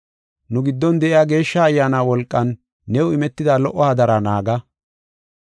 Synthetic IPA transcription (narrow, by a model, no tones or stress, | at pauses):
nʊɡɪd̪ːɔnd̪ɛʔɪjaːɡe̞ːʃːɐːjːaːnaːwɔlkʼːɐnː | ɛʊɪmɛt̪ːɪd̪aːlɔʔːɔhɐd̪ɐɾanaːɡɐ